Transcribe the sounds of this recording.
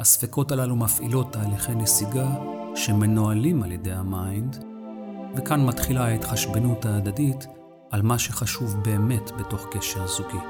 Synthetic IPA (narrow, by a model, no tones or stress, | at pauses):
hasfeko̞talalumafḭlo̞tːaːliχejnesiɡaʃe̞me̞noalimaljede̞jhamajnd | vekanmatχilaetχaʃbenuthaːdadit | almaʃeχaʃuvbe̞ːme̞tbe̞to̞χkeʃeʁzuki